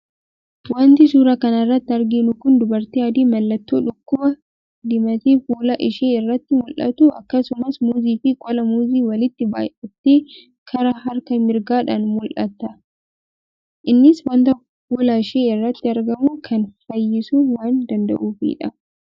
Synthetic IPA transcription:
wɐnt̪ɪsuːɾɐkɐnɐrːɐt̪ːɪɐɾɡɪnʊkʊnd̪ʊbɐɾt̪ɪɐd̪iːmɐlːɐt̪ːoːᶑʊkːʊbɐ | d̪ɪmɐt̪iːfuːlɐʔɪʃeːɪrːɐt̪ːɪmʊlʔɐ̰t̪uɐ̰kːɐsʊmɐsmuːziːfɪkʼɔlɐmuːziːwɐlɪt̪ːɪba̰ːjɛt̪ːeː | kʰɐɾɐɦɐɾkɐmɪɾɡaːᶑaːnmʊlʔɐ̰t̪ːɐ | ʔɪnːɪswɐnt̪ɐ | fuːlɐɪʃeːɪrːɐt̪ːɪɐɾɡɐmuːkʰɐnfɐjːɪsuːwaːnd̪ɐnd̪ɐ̰ʔuːfḭːᶑɐ

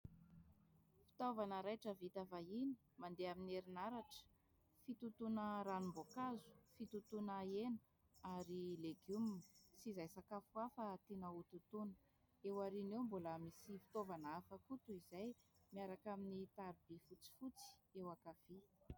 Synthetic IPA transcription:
fi̥t̪ovanəɾajʈ͡ʂəvit̪avaini̥ | mand̪eamineɾinaɾaʈ͡ʂə̥ | fit̪ut̪unəɾanumbokazu̥fit̪ut̪unaenə̥ | aɾileɡumnsizajsakafuafət̪enəut̪ut̪unə̥ | ewaɾinewmboləmisifi̥t̪ovanaafəkut̪uizajmiaɾakaminit̪aɾibifut͡si̥fut͡si̥ewakafi

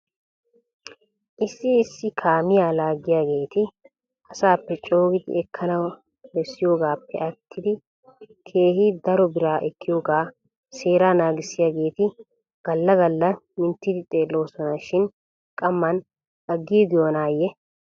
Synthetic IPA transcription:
ʔɪsːɪːsːɪkʰaːmɪjaːlaːɡɪjaːɡe̞ːt̪ɪ | ɐsaːpːɛt͡ʃʼo̞ːɡɪd̪ɪ̰ɛkʰːɐnɐw | bɛsːɪjo̞ːɡaːpːɛʔɐt̪ʰːɪd̪ɪ | kʰe̞ːhɪd̪ɐɾɔbɪɾaːʔɛkʰːɪjo̞ːɡaː | se̞ːɾaːnaːɡɪsːɪjaːɡe̞ːt̪ɪ | ɡ̥ɐlːɐɡɐlːɐ | mɪnt̪ːɪd̪ɪt̪ʼe̞ːlːo̞ːsɔnɐʃɪn | kʼɐmːɐn | ɐɡːiːɡ̪ɪjoːnaːjːɛ

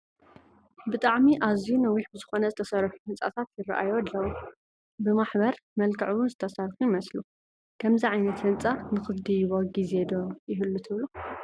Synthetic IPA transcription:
bɨt̪ʼaʕmiʔazunɐwiħbɨzɨxo̞nɐzɨt̪ʰɐsɐɾħuhɨnt͡sʼa̰t̪ʰat̪jɪra̰ʔa̰jod̪ːɐwo | bɨmaħbɐɾ | mɐlkʰɐʕuwʊnzɨt̪ʰɐsɐɾħujɪmɐslu | kʰɐmziʕajnɐt̪hɨnt͡sʼanɨxɨd̪ijβoɡize̞d̪ojɪɦɨlːut̪ʰɨβlu

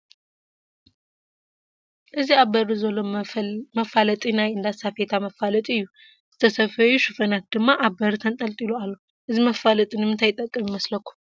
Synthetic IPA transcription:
ʔɨziabəɾɨzoloməfalət̪ʼinajɨnd̪asafet̪ʰaməfalət̪ʼɨjːu | zɨ̥t̪ʰəsəfəjuʃɨfənak̪̚d̪ɨmːaʔabəɾt̪ʰənt̪ʼəlt̪ʼiloalːəw | ʔɨziməfalət̪ʼɨnmɨnt̪ajɪt̪ʼːəkʼːɨmiməsləkʰːu̥m

